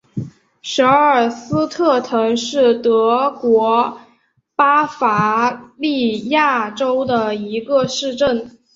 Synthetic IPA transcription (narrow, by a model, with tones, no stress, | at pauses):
ʂɤ˧˥ə˞˨˩sɹ̩˥t̪ʰɤ˥˩t̪ʰɤ˧˥ŋʂɻ̩˥˩t̪ɤ˧˥kwɔ˧˥ | pa˥fa˧˥li˥˧ja˥˩ʈ͡ʂo˥ʊd̪ə˨i˧˥ɡə˧ʂɻ̩˥˧ʈ͡ʂə˥˩n